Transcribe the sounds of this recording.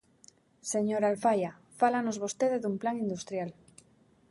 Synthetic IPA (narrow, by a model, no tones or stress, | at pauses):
seɲoɾalfaja | falanozβost̪eðeðumplaŋind̪ust̪ɾjal